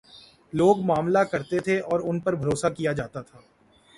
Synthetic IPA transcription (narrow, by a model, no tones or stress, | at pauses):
loːɡmaːmlakɐɾt̪et̪ʰeʔɔːɾʊnpɐɾbʱɐɾoːsakijad͡ʒaːt̪at̪ʰaː